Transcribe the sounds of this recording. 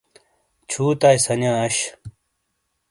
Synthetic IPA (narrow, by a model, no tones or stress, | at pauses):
t͡ɕʰuːt̪aːjsɐnjãːɐɕ